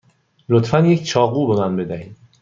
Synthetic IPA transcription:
lot̪fænjecʰt͡ʃʰɒːɣuːbe̞mænbe̞d̪æhiːd̪̥̚

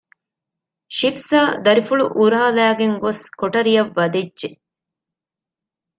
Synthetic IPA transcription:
ʃifsaːd̪ɐɾifuɭuʔuɾaːlæːɡeŋɡoskoʈɐɾijɐʋːɐd̪edʒe

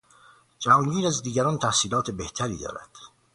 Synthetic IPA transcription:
d͡ʒæɒːnɡiːɾæzd̪iːɟæɾɒːnt̪ʰæhsiːlɒːt̪ʰebeht̪ʰæɾḭːd̪ɒ̰ːɾæ̰d̪̥

